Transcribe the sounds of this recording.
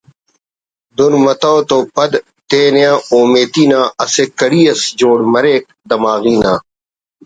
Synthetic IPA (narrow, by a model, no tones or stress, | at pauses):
d̪unmɐt̪aːt̪oːpɐd̪ | t̪eːnejãːoːmeːt̪iːnãːɐsekɐɽiːɐsd͡ʑoːɽmɐɾeːk̚ | d̪ɐmaːɣiːnãː